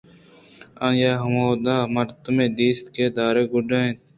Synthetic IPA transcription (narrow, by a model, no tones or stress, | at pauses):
ãnjaːɦɐmoːd̪aːmɐɾt̪umẽːd̪iːst̪keːd̪aːɾeːɡʊɖẽt̪